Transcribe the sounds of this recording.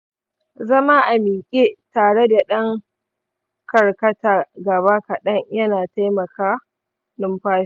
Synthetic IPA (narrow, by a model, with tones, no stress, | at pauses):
zɐ˦ma˦ʔa˨miː˨kʲʼeː˦taː˨ɽe˦da˨ɗɐ˦ŋ | kɐ˨rkɐ˦taː˨ɡɐ˨βa˦kɐ˨ɗɐ˦ŋjɐ˦naː˨ta˦jmɐ˨kaː˦ | nʊ˦mɸaː˦ʃ